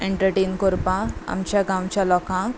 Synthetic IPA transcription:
eɳʈəɾʈeːnkoɾpãa̰mt͡ɕjaɡãwt͡ɕalɔkã

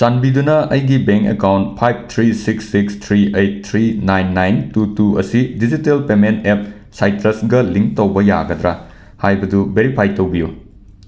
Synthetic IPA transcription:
t͡ʃanbidunɐɐjɡibeŋkḛkawnt̚pʰajb̚t̪ʰɾisiksːikst̪ʰɾiejt̚t̪ʰɾinajnːajntutuɐ̰sidid͡ʒitelpementep̚ | sajtɾɐsɡɐliŋk̚tɐwbɐja̰ɡɐdɾɐ | hajbɐdubeɾipʰajtɐwbiju

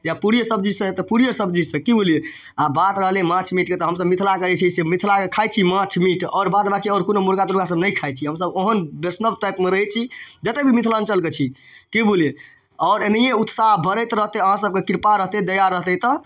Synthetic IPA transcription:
d͡ʒapuɾijəsəb̚d͡ʒid͡ʒsə̃t̪ɔpuɾijəsəbd͡ʒid͡ʒsə̃kibole | abat̪ɾəɦlemãt͡ʃʰmiʈket̪ɔɦəmsəbmit̪ʰlakəɾɛt͡ʃʰisemit̪ʰlakekʰajt͡ʃʰimãt͡ʃʰmiʈɔ̰ːɾbad̪bakeɔɾkonomuɾɡat̪uɾkas̬əbnəjkʰajt͡ʃʰiɦəmsəboɦənbesnəbʈajpmeɾəɦɛt͡ʃʰid͡ʒət̪ebʱimit̪ʰlant͡ʃəlket͡ʃʰi | kibulje | ɔʊɾenijeut̪saɦbʱəɾəjt̪ɾəɦt̪ɛəɦãsəb̚kekiɾpaɾəɦt̪ed̪əjaɾəɦt̪ɛt̪ɔ

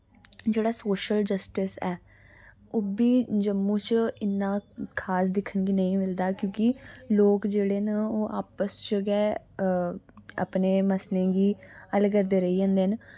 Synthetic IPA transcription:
d͡ʒeːɽaːsoːʃəld͡ʒəsʈɪsɛː | oːbiːd͡ʒəmːũːt͡ʃɪnːãːkʰaːsd̪ɪkʰənɡiːnəĩːmɪld̪aːkjõːkɪloːkd͡ʒeːɽeːnəoːʔa̰ːpəst͡ʃɡɛː | a̰pneːməslẽːɡiːələɡəɾd̪eːɾəiːãːnd̪eːɦən

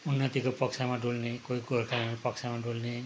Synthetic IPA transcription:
unːʌt̪ikopʌksʰamaɖʱulnekoiɡʱoɾkʰanapʌksʰamaɖʱulne

